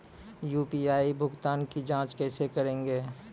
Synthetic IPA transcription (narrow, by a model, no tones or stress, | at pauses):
juːpiaːibʱʊɡt̪aːnkid͡ʒãːt͡ʃkɛːsekəɾẽːŋɡeː